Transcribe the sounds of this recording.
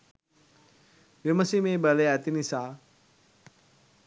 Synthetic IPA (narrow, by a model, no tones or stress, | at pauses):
ʋimɐsimebɐleɛt̪inisaː